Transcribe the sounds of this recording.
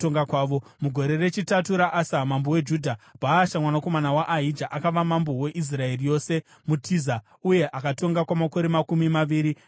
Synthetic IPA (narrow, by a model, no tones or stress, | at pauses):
oŋɡakwaːʋo̞muɡʱo̞ɾe̞re̞t͡ʃitatuɾaʔasamambowe̞d͡ʒudʱabʱaːʃamwanako̞manawaʔːɦid͡ʒaʔakaʋamambowe̞ʔis̬rae̞rijo̞ːse̞ | mutʰiza | uje̞ʔakato̞ŋɡakwamako̞ɾemakumimaʋiːɾi